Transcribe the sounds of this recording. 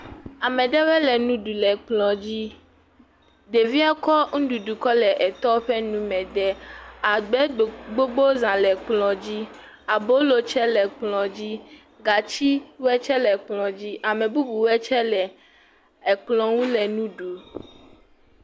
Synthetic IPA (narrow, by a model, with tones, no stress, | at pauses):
a˨mɛ̃˨ɖɛ˦wɛ˦lɛ˨nũ˦ɖu˨lɛ˨k͡plɔ̃˨d͡ʑi˦ | d̪e˨vi˦a˦kɔ˦ŋ̩˦ɖu˨ɖu˨kɔ˦lɛ˨ʔɛ˨t̪ɔ˦ɸɛ˦nũ˦mɛ̃˨dɛ˦a˨ɡ͡bɛ˦˨ɡ͡bo˦ɡ͡bo˦zã˨lɛ˨k͡plɔ̃˨d͡ʑi˦ | a˨bo˦lo˨t͡ʃɛ˦lɛ˨k͡plɔ̃˨d͡ʑi˦ | ɡa˨t͡ɕi˦wɛ˦t͡ʃɛ˦lɛ˨k͡plɔ̃˨d͡ʑi˦ʔa˨mɛ̃˨bu˦bu˨wɛ˦t͡ʃɛ˦lɛ˨ | ɛ˨k͡plɔ̃˨ŋũ˦lɛ˨nũ˦ɖu˨